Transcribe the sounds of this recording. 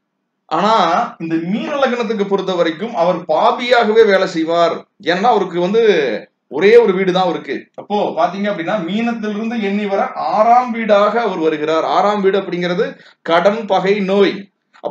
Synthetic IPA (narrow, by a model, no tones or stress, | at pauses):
ʔa̰ːnaːɪnd̪ɐmiːnɐlɐɣɐnɐt̪̬ːɯk̬ːɯpːɔɾɯt̪̬ːɐʋɐɾɐɪkːɯmɐʋɐɾpaːbɪjaːɣɐʋeːʋeːlɐsɛjʋaːɾeːnɐnːaːɐʋɐɾɯk̬ːɯʋɐnd̪ɯ | ɔɾeːɔɾɯʋiːɽɯt̪ãːɐʋɐɾɯkːɯɐpːoːpaːɾt̪̬iːŋɡɐpːɐɽɪnːaːmiːnɐt̪ːɪlɪɾɯnd̪ɯɛnːiʋɐɾɐʔaːɾaːmʋiːɽaːɣɐːʋɐɾʋɐɾɯɣɪɾaːɾa̰ːɾaːmʋiːɽɯɐpːɐɽɪŋɡɪɾɐðɯ | kɐɽɐnpɐɣɐɪnoːj | ɐ